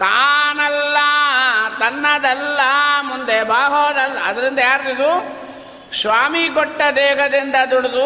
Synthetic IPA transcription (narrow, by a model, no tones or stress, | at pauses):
k̪aːnɐlːɐt̪ɐnːɐd̪ɛlːɐmund̪ebaːɦoːd̪ɐlːɐɐd̪ɐɾind̪ɐjaːɾid̪u | sʋaːmikɔʈːɐd̪ɛːɦɐd̪ind̪ɐd̪uɽud̪u